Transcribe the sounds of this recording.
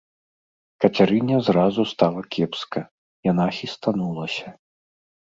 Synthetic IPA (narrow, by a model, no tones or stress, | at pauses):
kɐt͡sʲaɾɨnʲɐzrazust̪alˠɐkʲʰɛpskɐ | jan̪axʲist̪anulˠɐsʲɐ